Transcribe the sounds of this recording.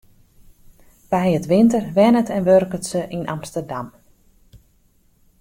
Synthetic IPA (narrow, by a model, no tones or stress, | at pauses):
b̥ɛjətʋɪntərʋɛnətʰɛnʋørkətsəʔinʔɑ̰mstərdam